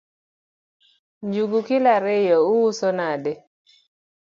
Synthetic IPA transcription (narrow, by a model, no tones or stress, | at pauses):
ɲd͡ʒuɡukɪlaɾɪjɔʊwusonade